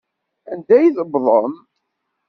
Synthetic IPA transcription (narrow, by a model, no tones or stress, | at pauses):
ænd̪æjiðəbðˤəm